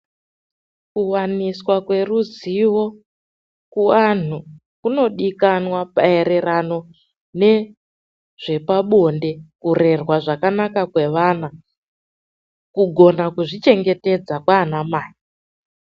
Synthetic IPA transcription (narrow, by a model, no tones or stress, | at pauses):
kuwaniswakwe̞ruziwo̞ | kuan̤u | kuno̞ɗikanwapae̞ɾe̞rano̞ | ne̞ | ʐ̥e̞paɓonde̞kure̞rwaʐakanakakwe̞ʋana | kuɡʱo̞nakuʐit͡ʃe̞ŋɡe̞te̞d͡zakwaːnamaːji